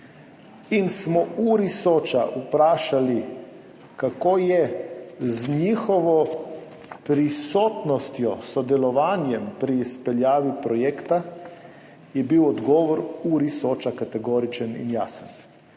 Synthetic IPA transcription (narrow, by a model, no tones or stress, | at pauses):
insmɔuɾisoːt͡ʃaʔupɾaːʃali | kakojɛ | zɲixɔʋɔ | pɾisoːt̪nɔst̪jɔsɔd̪ɛlɔʋaːnjɛmpɾiːspɛʎjaːʋipɾɔjekt̪a | jɛbiwɔd̪ɡɔːʋɔɾuɾisoːt͡ʃakat̪ɛɡoːɾit͡ʃanḭnjaːsan